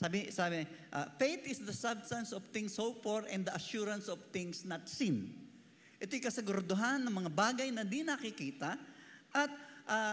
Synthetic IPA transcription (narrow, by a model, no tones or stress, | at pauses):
saːbɪsaːbɪʔa̰fejt̪ɪsd̪ɐsabst̪ɐ̃nsɔv̥θɪ̃ŋsowpoɹɛ̃nd̪ɐʔɐʃuɾɐ̃nsɔvθɪ̃ŋsnɐt̪sĩn | ʔɛt̪ojkɐsɛɡʊɾɐd̪oɦanːɐŋmɐŋabaːɡɐjnɐd̪inɐkɪkiːt̪ɐʔɐt̪̚ʔa